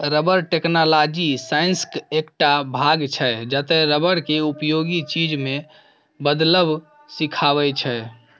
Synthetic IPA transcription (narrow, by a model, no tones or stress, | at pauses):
ɾəbəɾʈeknalad͡ʒisainskekʈabʱaɡt͡ʃʰɛd͡ʒət̪ɛɾəbəɾkeupjoɡit͡ʃid͡ʒme | bəd̪ləb | sikʰaβɛt͡ʃʰɛ